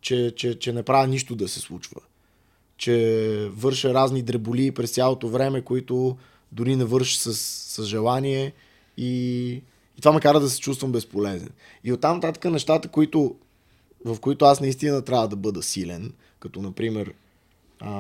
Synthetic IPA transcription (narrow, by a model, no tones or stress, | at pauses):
t͡ʃɛt͡ʃɛt͡ʃɛnɛpɾavʲɛniʃt̪od̪ɐsɛslˠut͡ʃvə̰ | t͡ʃɛvɤɾʃəɾaznid̪ɾɛboliːpɾɛst̪sʲalˠot̪ovɾɛmɛkoit̪ʊ | d̪ʊɾinɛvɤɾʃə̥səsːəzʒɛlˠaniɛ | iː | t̪vamɛkaɾəd̪ɐsɛ̥t͡ʃust̪vəmbɛspolɛzɛ̰n | iot̪ːamnɐt̪at̪ə̥kənɛʃt̪at̪əkoit̪o | vɐfkoit̪oasnɐist̪inət̪ɾʲavəd̪ɐbɤd̪əsilɛn | kɐt̪onɐpɾimɛɾ | ə